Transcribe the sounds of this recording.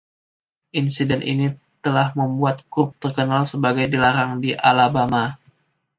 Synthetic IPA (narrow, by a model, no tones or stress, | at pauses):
ʔinsidɛnʔḭnit̪əlahməmbuat̪̚ɡɾup̚t̪ərkənalsəbaɡajdilaɾaŋdiʔa̰labama